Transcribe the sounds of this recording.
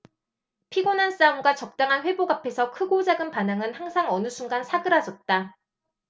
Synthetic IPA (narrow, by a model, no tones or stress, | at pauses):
pʰiɡonans͈aumɡwat͡ɕʌk̚t͈aŋɦanɸwe̞boɡapʰe̞sʰʌkʰɯɡod͡ʑaɡɯnpanaŋɯnhaŋsʰaŋʌnɯsʰuŋɡansʰaɡɯɾad͡ʑʌt̚t͈a